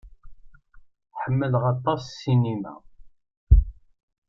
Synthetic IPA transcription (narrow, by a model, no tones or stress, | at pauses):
ħəmːəlʁɑt̪ˤːɑssinimæ̰